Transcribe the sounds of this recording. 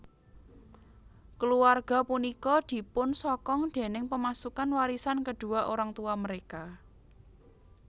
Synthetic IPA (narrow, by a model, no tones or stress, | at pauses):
kəluarɡ̥a̤punikɔd̪̥i̤pʊnsɔkɔŋd̪̥e̤nɪŋpəmasukanwaɾisankəɖ̪̥ṳaʔoɾaŋt̪uaməɾeka